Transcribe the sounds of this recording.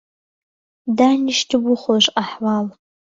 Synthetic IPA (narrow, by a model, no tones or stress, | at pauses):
danɪʃtʲʰɪbʊχoʒʷʼqʼaħwal